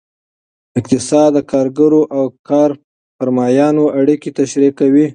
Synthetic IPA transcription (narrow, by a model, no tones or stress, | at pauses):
ɪqt̪ɪsɑd̪ːəkʰɑɾɡaɾoʔawkɑɾ | faɾmɑjɑnoʔaɽikit̪aʃɾikawi